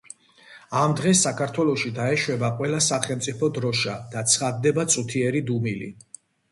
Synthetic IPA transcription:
amd̪ʁɛsːakʰaɾt̪ʰwɛlˠɔʃid̪aɛʃwɛbaqʼwɛlasaχɛlˠmt̪sʼipʰɔd̪ɾɔʃad̪̥at̪sʰχad̪ːɛbat̪sʼut̪ʰiɛɾid̪umilḭ

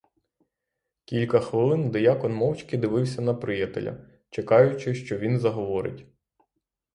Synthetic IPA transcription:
kʲilʲkɐxʋɪlˠɪnd̪ɪjakɔnmɔwt͡ʃʲkɪd̪ɪʋɪwsʲɐnɐpɾɪjɛt̪ḛlʲɐ̰ | t͡ʃekɑjʊt͡ʃɪʃt͡ʃɔʋʲinzɐɦɔʋɔɾɪ̰tʲ

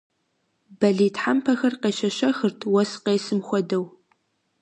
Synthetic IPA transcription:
bɐɮiːtħampʰɐxɐrqeːʃɐʃɐxɨrtʰwɐsqeːsɨmxʷɔdɐw

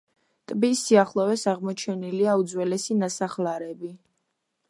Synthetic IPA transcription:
t̪ʼbisːiaχlˠɔvɛsaʁmɔt͡ʃʰɛniliaud̪zwɛlɛsinasaχlaɾɛbi

